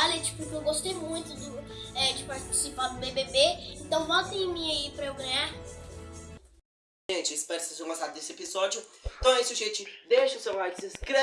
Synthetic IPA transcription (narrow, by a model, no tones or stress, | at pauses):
alɐt͡ʃi̥pʊkewɡost̪ejmũj̃t̪ʊd̪ʊ | ɛd͡ʒɪpaɾt͡ʃi̥sipad̪ʊbebebeẽnt̪ɐ̃w̃bɔt̪ẽmĩɐipɾɐewɡɐ̃ɲaɾ | ʒẽt͡ʃɪispɛɾssezõɡost̪ad̪ʊd̪esɪepizɔd͡ʒjʊẽt̪ɐ̃w̃ɛisɪʊʒẽt͡ʃɪd̪eʃɐʊsewlajt͡ʃɪsĩskɾe